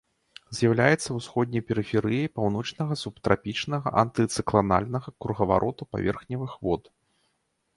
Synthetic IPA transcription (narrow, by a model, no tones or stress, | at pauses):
zʲjɐwlʲajɛt̪sːɐwsxɔd̪̚ʲnʲɐjpʲɛɾɨfʲɛɾɨjijpawn̪ɔt͡ʂnɐɣɐsupt̪ɾapʲit͡ʂnɐɣɐ̰ʔɐnt̪ɨt̪sɨklˠana̰lʲnɐɣɐkɾuɣɐva̰ɾʔɔt̪upa̰vʲɛ̰rxnʲɐvɨxvɔt̪